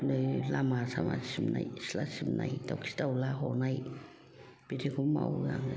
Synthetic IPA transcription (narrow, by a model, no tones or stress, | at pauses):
nelamasama̰simnaislasimna̰it̪okst̪aulahonai | pit̪ikumːa̰uaŋ